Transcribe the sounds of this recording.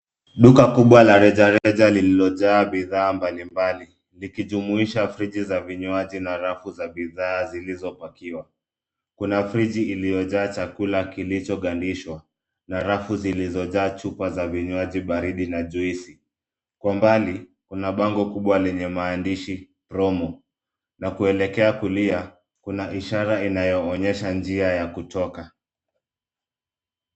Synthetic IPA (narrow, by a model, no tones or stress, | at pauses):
ɗukakuɓwalaɾɛʄaɾɛʄalililɔʄaːɓiðaːmbalimbali | likiʄumuiʃafɾiʄizaviɲwaʄinaɾafuzaɓiðaːzilizɔpakiwa | kunafɾid͡ʒiːlijɔʄaːt͡ʃakulakilit͡ʃɔɠandiʃwa | naɾafuzilizɔʄaːt͡ʃupazaviɲwaʄiɓaɾiɗinaʄuisi | kwambalikunaɓaŋɡɔkuɓwalɛɲɛmaːndiʃi | pɾɔmɔ | nakuɛlɛkɛakulia | kunaʔiʃaɾainajɔːɲɛʃand͡ʒiajakutʰɔka